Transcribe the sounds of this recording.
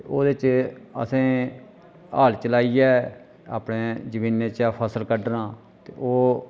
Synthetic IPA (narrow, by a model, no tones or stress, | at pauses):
oːd̪ɪt͡ʃə̰sẽː | aːlt͡ʃəlaːiːɛː | a̰ːpɽeːd͡ʒəʋiːnːeːt͡ʃaːpʰəsəlkəɖnãː | t̪eːoː